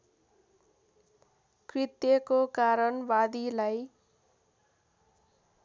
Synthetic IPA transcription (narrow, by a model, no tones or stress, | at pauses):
krit̪jʌkokaɾʌnbad̪ilaj